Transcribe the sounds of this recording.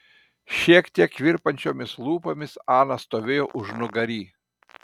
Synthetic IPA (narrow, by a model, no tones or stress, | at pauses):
ʃʲiɛkt̪ʲiɛkːʋʲɪɾpɐnʲt͡ʃʲoːmʲɪslˠuːpoːmʲɪsɑːnɐst̪oːʋʲeːjoːʔʊʒnʊɡɐɾʲiː